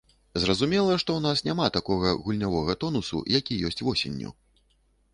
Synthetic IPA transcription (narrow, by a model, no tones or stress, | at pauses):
zrɐzumʲɛlˠɐʂt̪ɔwnasnʲamat̪akɔɣɐɣulʲnʲavɔɣɐt̪ɔnusṵjakʲijɔsʲt͡sʲvɔsʲḛnʲːṵ